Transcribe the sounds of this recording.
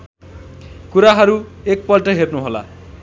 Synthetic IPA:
kuɾaɦʌɾuek̚pʌlʈʌɦernuɦola̰

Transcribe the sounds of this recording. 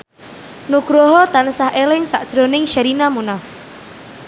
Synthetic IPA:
nuɡ̥ɾɔɦɔt̪ansahʔelɪŋsa̰ʔd̥ʒ̥ɾonɪŋʃaɾinamunaf

